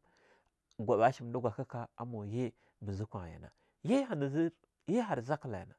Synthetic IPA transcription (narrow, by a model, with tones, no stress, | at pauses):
ɡʷa˨ɓa˦ʃi˨m˨du˦ɡʷa˨ka˦ka˦a˦mo˨je˦ | mə˨zi˦kʷa˨ja̰˨na̰˨ | je˦ɦa˨ni˨zi˦ɾ | je˦ɦa˨ɾza˦kla˨ja̰˨na˨